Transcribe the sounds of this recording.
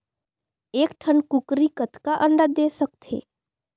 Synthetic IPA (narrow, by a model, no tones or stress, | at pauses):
eːkʈʰənkukɾikət̪kaʔəɳɖad̪esəkt̪ʰḛ